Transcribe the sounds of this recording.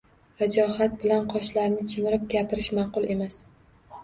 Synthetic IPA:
vad͡ʒɒhat̪̚bɪlanqʰɒʃlaɾnɪt͡ʃʰɪmɪɾɪp̚ɡʲapʰɪɾɪʃmɑqʊlˠe̞mas

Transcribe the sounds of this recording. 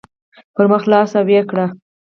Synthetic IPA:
pəɾməxlɑsawekɽa

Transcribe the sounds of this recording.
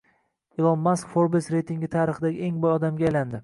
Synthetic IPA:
ɪlˠɒmmaskfoɾbesɾejt̪ʰiŋɡʲɪt̪ʰaɾɨχɨd̪aɡʲɪeŋbɒjɒd̪amɡʲaajland̪ɪ

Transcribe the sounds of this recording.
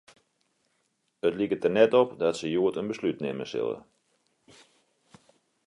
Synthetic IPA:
ətlikətərnɛtɔpdɔtsəjuətənbəslytnɪ̰mə̰sɪ̰lˠə̰

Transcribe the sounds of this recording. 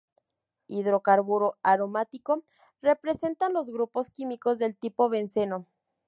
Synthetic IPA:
iðɾo̞kaɾβuɾoaɾo̞mat̪iko̞ | re̞pɾe̞se̞nt̪anlo̞zɣɾupo̞skimiko̞zðe̞lt̪ipo̞βe̞nse̞no̞

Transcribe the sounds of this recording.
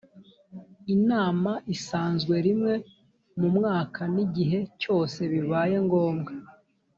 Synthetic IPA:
inaːmaʔisaːnzɡwe̞ɾimŋe̞ | mumŋaːkʰaniɟiɦe̞co̞ːse̞βiβaːje̞ŋɡo̞ːmɡa

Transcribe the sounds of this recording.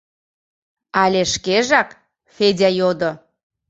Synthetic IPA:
ɑlʲeʃkeʒɑk | fedʲɑjod̪o

